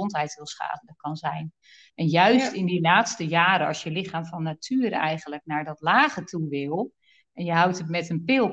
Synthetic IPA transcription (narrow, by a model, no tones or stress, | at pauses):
ontɦɛjtʋɪlˠsχa̰ːvəndəkɑnzɛjn | ʔɛnjœɥstɪndilaːtstəjaːɾəɑ̰sjəlɪxaːmfɔnːatʰyːəɾɛ̰jɣənlək̚naɹdɔtlaːɣətʰuʋɪlˠ | ʔɛnjəɦawtətmɛtənpɪlˠ